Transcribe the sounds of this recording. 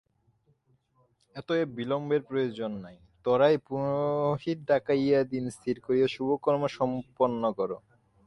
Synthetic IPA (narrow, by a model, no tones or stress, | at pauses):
ɛt̪oebilombeɾpɾojod͡ʑonːaj | t̪ɔɾajpunoɦiɾɖakajad̪inst̪ʰiɾkoɾijaʃubʱokɔɾmoʃɔmponːokɔɾo